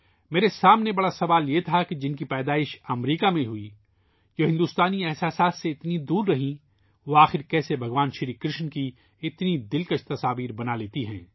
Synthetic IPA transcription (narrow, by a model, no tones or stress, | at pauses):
meːɾesaːmnebɐɽasɐʋaːljet̪ʰaked͡ʒɪnkipɛːd̪aːɪʃɐmɾiːkamẽɦʊi | joɦɪ̃nd̪uːst̪aːniɛɦsaːsaːt̪seɪt̪nid̪uːɾːɐɦĩ | ʋoaːxɪɾkɛːsebʱɐɡʋaːnʃɪɾiːkɾɪʃnki | ɪt̪nid̪ɪlkət͡ʃʰt̪ɐsaːʋiːɾbɐnaleːt̪iɦɛ̰̃ː